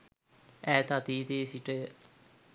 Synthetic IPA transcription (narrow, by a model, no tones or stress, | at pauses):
ɛːt̪at̪iːt̪eːsiʈe